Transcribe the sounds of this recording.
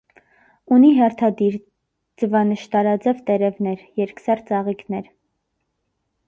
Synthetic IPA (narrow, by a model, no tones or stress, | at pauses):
uniɦɛrt̪ʰɑd̪iɾ | d͡zəvɑnəʃt̪ɑɾɑd͡zɛvt̪ɛɾɛvnɛɾjɛɾksɑɾt͡sɑʁiknɛɾ